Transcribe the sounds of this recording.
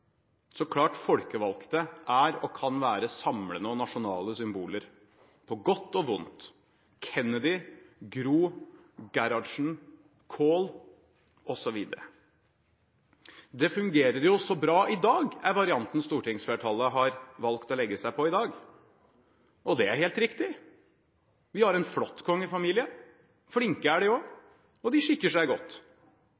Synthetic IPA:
sɔkʰlɑːʈfɔlkəʋɑlkt̪əʔæɾɔkʰɑnʋæːɾəsɑmɽənəɔnɑʂʊnɑːləsʏmbuːləɾ | pʰɔɡɔt̪ːɔʋʊnt̪ | kʰɛnəd̪ɪɡɾuːɡæɾɑʂɳ̩ | kʰoːl | ɔsɔʋiːd̪əɾə | d̪ɛfʉŋɡeːɾəɾjʊɔsɔbɾɑːʔɪd̪ɑːɡæɾʋɑɾɪɑnt̪n̩st̪uːʈɪŋsfɛʈʰɑlːəɦɑɾʋɑlkt̪ɔlɛɡːəsæɪpɔɪd̪ɑːɡ | ʔɔd̪ɛæɾheːlt̪ɾɪkt̪ɪ | ʋɪhɑɾɛnflɔt̪ːkʰɔŋːəɪfɑmiːlɪə | flɪŋkəæɖɛoː | ɔd̪ɪʂɪkːəʂæɪɡɔt̪ː

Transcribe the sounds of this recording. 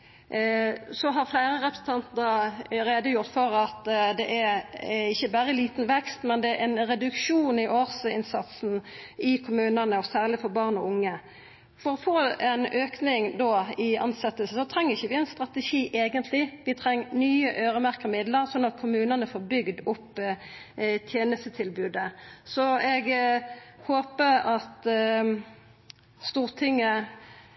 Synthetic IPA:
sɔɦɑʁflæɪɾəʁɛpɾə̥sən̩t̪ʰɑnt̪nəɾeːd̪əjʊʁt̪fɔɾɑt̪d̪ɛʔæɪçːəbæɾəliːt̪nʋɛkst̪mɛnd̪ɛæɾɛnɾɛd̪ʉkʃuːnɪʔoːʁsɪ̰nsɑt̪sn̩ɪkʰʊmʉːnənəɔsæːʁlɪfɔʁbɑʁnɔʊŋːə | fɔɾɔfoːɛnøːknɪŋd̪oɪɑ̰nsɛt̪ːəlsəsɔt̪ʰʁɛŋːəʁɪçːəʋɪɛɪnst̪ʁɑt̪ɛʃiːʔeːɡənt̪ʰlɪʋɪt̪ʰʁɛŋːnyːəʔøːɾəmæʁkəʁmɪd̪ləʁsɔnːɑt̪̚kʰʊmʉːnənəfoːʁbʏɡd̪ʊpː | t̪ʰjeːnəst̪ət̪ʰɪlbʉːd̪əsɔɛɡ | hoːpəɾɑt̪ | st̪uːʁt̪ʰɪŋːə

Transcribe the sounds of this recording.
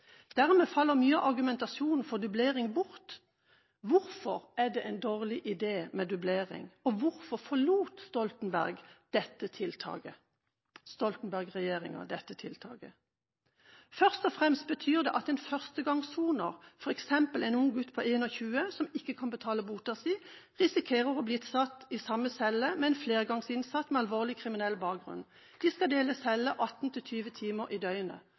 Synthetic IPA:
d̪̥æʁmɛːfɑlːəʁmyːəʔɑʁɡʉmɛnt̪ɑsjuːnn̩fɔʁd̪ʉbleːʁɪŋbʊʁt̪ | ʋʊɾfɔʁæd̪ɛʔɛɪnd̪oːʁlɪʔɪd̪eːmɛd̪ʉbleːʁɪ̰ŋɔʋʊʁfɔʁfɔluːt̪st̪ɔlt̪n̩bæ̰ʁɡd̪̥ɛt̪ːət̪ʰɪlt̪ʰɑ̰ːɡə | st̪ɔlt̪n̩bæʁɡʁɛjeːʁɪ̰ŋə̰d̪ɛt̪ːət̪ʰɪlt̪ʰɑ̰ːɡə̰ | fœʁst̪ɔfʁɛmst̪̚bət̪ʰyːʁd̪ɛ̰ːʔɑt̪ɛɪnfœʁst̪əɡɑŋsuːnəʁfɔʁɛksɛmpəlɛɪnʊŋɡʉt̪ːpʰɔeːnɔçʉːəsɔmɪkːəkʰɑnbət̪ʰɑːləbuːt̪ɑsiː | ʁɪsɪkʰeːʁəʁɔblɪːt̪sɑt̪iːsɑmːəsɛləmɛɛɪnfleːʁɡɑŋsɪnsɑt̪mɛɑlʋoːʁlɪkʰʁɪmɪnɛlbɑːk̚ɡʁʉ̰n | d̪̥iːskɑd̪eːləsɛləʔɑt̪n̩t̪ʰɪlt̪ʰyːʋət̪ʰiːməʁʔiːd̪œʏnə̰

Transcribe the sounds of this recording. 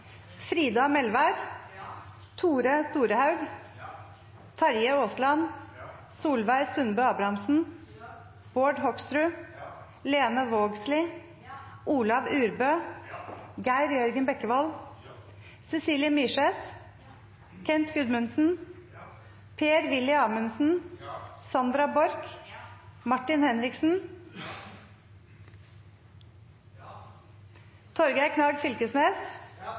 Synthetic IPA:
fɾiːd̪ɑmɛlʋæɾ | t̪ʰuːɾəst̪uːɾəhɑʉɡ | t̪ʰɑɾjəoːslɑn | suːlʋæɪɾsʉnbøːɑbɾɑmsn̩ | b̥oːɖhɔkst̪ɾʉː | leːnəʋoːɡslɪ | ʔuːlɑʋʉːɾbøː | ɡæɪɾjœɾɡənbɛkːəʋɔl | sɛsiːljəmiːʂɛs | kʰɛnt̪ɡʉd̪mʉnsn̩ | pʰeːɾʋɪlɪɑːmʉnsn̩ | sɑnd̪ɾɑbɔɾk | mɑʈːɪnhɛnɾɪksn̩ | t̪ʰɔɾɡæɪkʰnɑɡfʏlkəsmeːs

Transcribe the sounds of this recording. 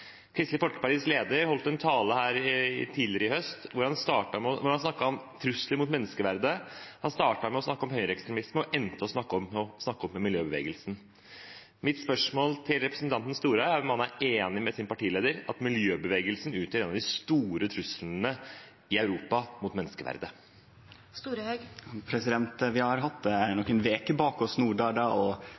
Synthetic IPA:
kʰɾɪst̪ɪfɔlkə̥pæʈiːsleːd̪əɾhɔlt̪əɛnt̪ʰɑːləhæːɾɪt̪ʰiːd̪lɪəɾəɪhœst̪ʋʊɾhɑnst̪ɑːʈɑmɔʋʊɾhɑnsnɑkːɑɔmt̪ʰɾʉsləmʊt̪mɛnːəskəʋæɾd̪əhɑnst̪ɑːʈɑɾmɛɔsnɑkːəɔmɦœʏəɾɛkst̪ɾɛmɪsməɔʔɛnt̪əɔsnɑkːəɔmɔsnɑkːɔmːɛmɪljøːbəʋḛːɡəlsn̩ | mɪt̪spœʂmoːlt̪ʰɪlɾɛpɾəsnt̪ɑnt̪ən̩st̪uːɾəəæɾɔmhɑnːæɾeːnɪmɛsɪnpɑʈiːleːd̪əɾɑt̪mɪljøːbəʋeːɡəlsn̩ʉːt̪ʰəɾeːnɑd̪ɪst̪uːɾət̪ʰɾʉslnə | ɪɑʉɾuːpɑmʊt̪mɛnːəskəʋæ̰ɾd̪ə | st̪uːɾəhœɡpʰɾɛsɪd̪ɛnt̪ʋɪhɑɾɦɑt̪d̪ɛænɔkːənʋeːkəbɑːkɔsnuːɖɑːɖɑɔ

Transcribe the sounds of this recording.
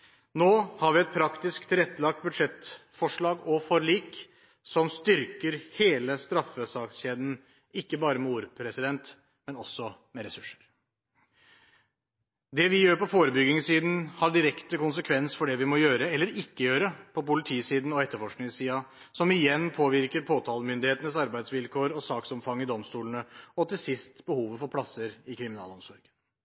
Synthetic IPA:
noːhɑɾʋɪɛt̪̚pʰɾɑkt̪ɪskt̪ʰɪlɛt̪ːəlɑkt̪̚bʉd̪ʂɛt̪fɔʂɭɑːɡɔfɔɾliːk | sɔmst̪ʏɾkəɾheːləst̪ɾɑfːəsɑksçeːd̪n̩ | ɪkːəbɑːɾəmɛuːɾpʰɾɛsɪd̪ɛnt̪ | mɛnɔsːɔmɛɾɛsʉʂːə̥ɾ | d̪ɛʋɪjøːɾpɔfoːɾəbʏɡɪŋəsiːd̪n̩hɑɖɪɾɛkt̪əkʊnsəkʰʋɛnsfɔɖɛʋɪmɔjøːɾəɛlːəɾɪkːəjøːɾəpʰɔpʊlɪt̪ʰiːsiːd̪n̩ɔɛt̪ːəɾfɔʂknɪŋsiːɑ | sɔmɪjɛnːpʰoːʋɪɾkəɾpʰoːt̪ʰɑːləmʏnd̪ɪheːt̪ənəsɑɾbæɪd̪sʋɪlkʰoːɾɔsɑːksɔmfɑŋːɪd̪ɔmst̪uːlnəɔt̪ɪlsɪst̪bəhuːʋəfɔɾpʰlɑsːəɾɪkʰɾɪmɪnɑ̰ːlɔmsɔɾɡə

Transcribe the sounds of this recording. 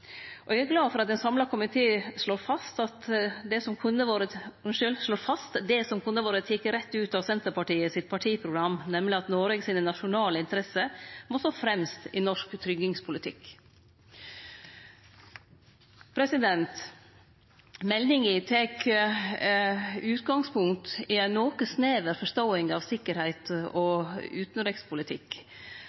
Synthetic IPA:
ʔɔææɾɡlɑːfɔɾɑt̪ɛnsɑmlɑkʰʊmɪt̪ʰeːʂɭoːɾfɑst̪ɑt̪d̪ɛsɔmkʰʉnːəʋoːɾəʉnʂʏlʂɭoːɾfɑst̪d̪ɛsɔmkʰʉnːəʋoːɾət̪ʰɪkːəɾɛt̪ːʉːt̪ɑʋsɛnt̪əɾpɑʈiːəsɪt̪̚pʰɑʈʰiːpʰɾʊɡɾɑmːnɛmːlɪɑt̪noːɾɛɡsiːnənɑʂʊnɑːləɪnt̪əɾɛsəmɔsoːfɾɛmst̪ɪnɔʂkt̪ʰɾʏɡɪŋspʰʊlɪt̪ʰɪ̰k | pʰɾɛsɪd̪ɛnt̪ | mɛlnɪŋɪt̪ʰeːk | ʉːt̪ɡɑŋspʰʊŋt̪ɪænoːkəsneːʋəɾfɔʂt̪oːɪŋɡɑʋsɪkːəɾhæɪt̪ɔʉːt̪nɾɪkspʰʊlɪt̪ʰɪk

